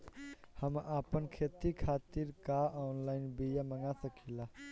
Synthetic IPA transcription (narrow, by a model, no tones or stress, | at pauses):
həmʔapənkʰet̪ikʰat̪iɾkaʔɔnlaɪnbijaməŋasəkʰila